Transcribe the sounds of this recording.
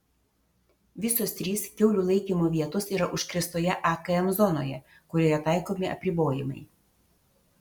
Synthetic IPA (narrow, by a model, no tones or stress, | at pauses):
ʋʲɪsoːst̪ʲɾʲiːskʲɛʊlʲuːlˠɐɪkʲiːmoːʋʲiɛt̪ʊsiːɾɐʔʊʃkɾʲɪst̪oːjɛʔɐkɐɛmzɔno̰ːjɛ | kʊɾʲɛjɛt̪ɑˑɪkoːmʲɪɐ̰pʲɾʲɪboːjɪmɐ̰ɪ